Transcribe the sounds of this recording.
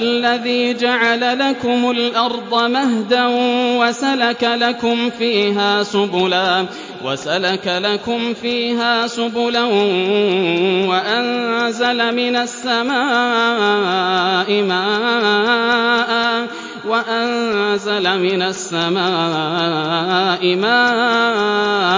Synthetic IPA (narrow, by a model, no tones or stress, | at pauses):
ʔalːaðiːd͡ʒaʕalalakʊmʊlʔɑɾˤd̪ˤɑmaɦd̪awasalakalakʊmfiːɦaːsʊbʊlaː | wa̰salakalakʊmfiːɦaːsʊbʊla | waʔanzalamɪnasːamaː | ʔɪmaː | ʔa | waʔanzalamɪnasːamaː | ʔɪmaːʔ